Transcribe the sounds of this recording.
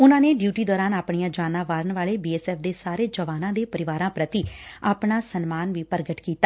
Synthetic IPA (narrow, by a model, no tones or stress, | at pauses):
ʊnãːneːɖjuːʈiːd̪ɔːɾaːnaːpɳijãːd͡ʒaːnãːʋaːɾəɳʋaːɭeːbiːɛːsɛːfʰd̪eːsaːɾeːd͡ʒəʋaːnãːd̪eːpəɾɪʋaːɾãːpɾət̪iːaːpɳaːsənmaːnʋiːpəɾɡəʈkiːt̪aː